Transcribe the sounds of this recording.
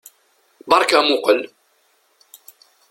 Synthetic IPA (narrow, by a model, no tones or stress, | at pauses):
bɑɾˤkamʊqəl